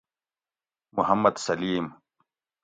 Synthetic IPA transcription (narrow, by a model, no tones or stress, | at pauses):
muhɐmːɐd̪sɐliːm